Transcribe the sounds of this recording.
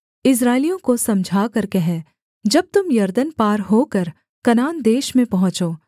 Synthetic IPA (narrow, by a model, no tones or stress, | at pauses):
ɪs̬ɾaːɪlijõkosɐmd͡ʒʱaːkɐɾkeɦɛ̃ | d͡ʒɐb̚t̪ʊmjɐɾd̪ənpaːɾɦoːkɐɾ | kɐnaːnd̪eːʃmẽpɐɦʊ̃t͡ʃoː